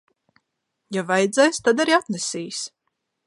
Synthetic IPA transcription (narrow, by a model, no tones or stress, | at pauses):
javajd̪zɛjst̪ad̪aɾiat̪nɛsiːs